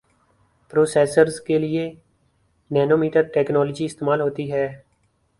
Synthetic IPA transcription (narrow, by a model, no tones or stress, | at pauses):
pɾoːsɛːsəɾzkeːlɪeː | nɛːnoːmiːʈəɾʈɛːknɔːləd͡ʒiːɪst̪eːmaːlɦoːt̪iːɦɛː